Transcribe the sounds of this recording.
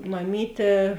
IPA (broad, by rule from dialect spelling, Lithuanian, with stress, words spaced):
mɐˈmʲiːtʲeː